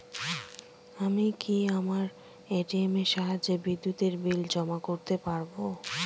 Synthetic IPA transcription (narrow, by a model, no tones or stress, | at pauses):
amikiamaɾ | eʈiemeʃaɦad͡ʑebid̪ːut̪eɾbild͡ʑɔmakoɾt̪epaɾbo